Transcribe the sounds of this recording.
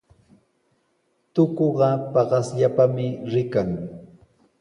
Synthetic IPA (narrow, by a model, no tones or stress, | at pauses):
t̪okoɢɑpɑɢɑsʎapamɪɾɪkaŋ